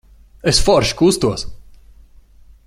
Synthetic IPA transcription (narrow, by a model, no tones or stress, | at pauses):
esfɔɾʃkust̪uɔs